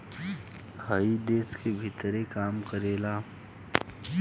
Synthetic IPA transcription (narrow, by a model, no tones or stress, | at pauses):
haːid̪eːskebʱɪt̪əɾekaːmkəɾeːlaː